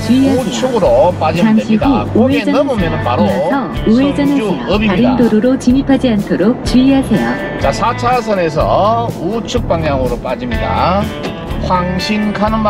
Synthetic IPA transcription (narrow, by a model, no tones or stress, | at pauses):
t͡ɕiiɦat͡ɕʰuɡɯɾop͈ad͡ʑiaŋɕʰiduuwed͡ʑʌnʌmɯmjʌnɯnpaɾosʰʌ | uwed͡ʑʌnɯɯbiaɾindoɾuɾot͡ɕimipʰad͡ʑiantʰoɾok̚t͡ɕuiɦasʰejo̰ | t͡ɕasʰat͡ɕʰas̬ʰʌne̞s̬ʰʌ̰ut͡ɕʰuk̚p͈aŋjaŋɯɾop͈ad͡ʑimɲida̰ | kʰwaŋɕʰinkʰanɯnm